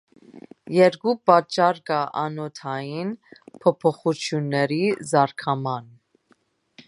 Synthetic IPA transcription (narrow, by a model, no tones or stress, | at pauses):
jɛɾkupɑt͡ʃːɑɾkɑʔɑnɔt̪ʰɑjinpʰɔpʰɔχut͡sʰjunːɛɾizɑɾkʰɑmɑn